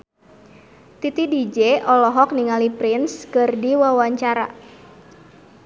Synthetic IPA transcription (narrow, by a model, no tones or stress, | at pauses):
t̪it̪idid͡ʒeʔɔlɔɦɔk̚niŋalipɾɪnskɨrdiwawaɲt͡ʃaɾa̰